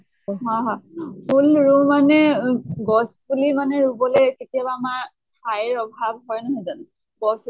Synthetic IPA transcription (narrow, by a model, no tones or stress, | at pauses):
ɦɔ̃ɦɔ̃pʰulɹumanɛɡɔsbulimanɛɹubɔlɛketijabaːmaɹ | tʰajɹɔbʱabɦɔjnɔɦɔjzan | ɡɔs